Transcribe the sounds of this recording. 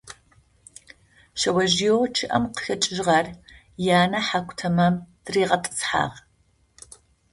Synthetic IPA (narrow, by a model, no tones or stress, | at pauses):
ʃɐwɐʒijoːt͡ʃʰɨʔɐ̰mqə̥ɬɐt͡ʃʼɪʒʁɐr | jaːnɐħakʷʼtʰɐmɐmd̥ɨriːʁɐtʼɨ̥sħa̰ːʁ